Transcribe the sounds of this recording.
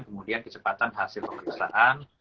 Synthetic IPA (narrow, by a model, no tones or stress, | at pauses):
nkəmudiankət͡ʃəpat̪anɦasɪlpəməɾiksa̰ʔan